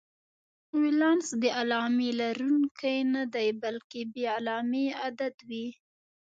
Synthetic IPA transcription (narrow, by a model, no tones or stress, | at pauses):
wilɑnsd̪əʔalɑmelaɾunkajnad̪ajbalkebealɑmead̪ad̪wi